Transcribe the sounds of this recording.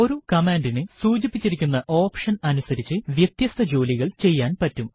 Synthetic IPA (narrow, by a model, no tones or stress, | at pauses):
o̞ɾukɐmaːnɖinɨssuːd͡ʑipːit͡ɕːiɾikʲːunːɐʔo̞ːpʂɐnɐnusɐɾit͡ɕːɨʋjet̪jɐst̪ʰɐd͡ʑo̞ːliɣɐɭt͡ɕe̞jːaːnpɐtːum